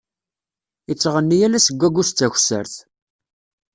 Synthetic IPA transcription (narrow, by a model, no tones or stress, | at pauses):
it͡sːʁənːijælæsəɡʷːæɡʷʊst̪ːæçsə̰ɾθ